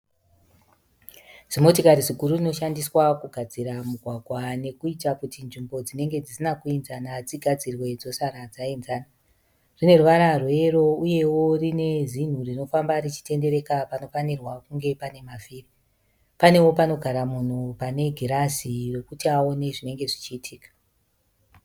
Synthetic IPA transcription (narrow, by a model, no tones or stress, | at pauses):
z̥imo̞tikaɾiʐikuɾurino̞ʃandiswakuɡʱad͡ziɾamuɡʱwaɡʱwane̞kuitakutinʐimbo̞d͡zine̞ŋɡe̞d͡zisinakuinzanad͡ziɡʱad͡zirwe̞d͡zo̞saɾad͡zainzaːna | rine̞ruʋaɾarwe̞ɾo̞uje̞wo̞rine̞zin̤urino̞fambarit͡ʃi̥te̞nde̞ɾe̞kapano̞fanirwakuŋɡe̞pane̞mafiːri | pane̞wo̞pano̞ɡʱaɾamun̤upane̞ɡʱiɾasire̞kutiao̞ne̞ʐine̞ŋɡe̞ʐit͡ʃiːtʰiːkḁ